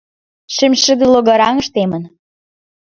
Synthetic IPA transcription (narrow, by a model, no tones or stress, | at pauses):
ʃɘmʲʃə̆d̪eloɣɑɾɑŋə̆ʃt̪emə̆n